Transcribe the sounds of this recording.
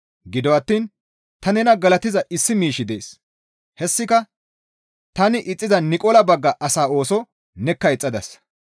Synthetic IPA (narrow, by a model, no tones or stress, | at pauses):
ɡɪd̪ɔwɐt̪ːiːn | t̪ɐnɛnɐɡɐlɐt̪ɪzɐʔɪsːɪmiːʃɪd̪e̞ːs | hɛsːɪkɐ | t̪ɐnɪʔɪt͡sʼːɪzɐnɪkʼɔlɐbɐɡːɐʔɐsaːo̞ːsɔ | nɛkːɐɪt͡sʼːɐd̪ɐs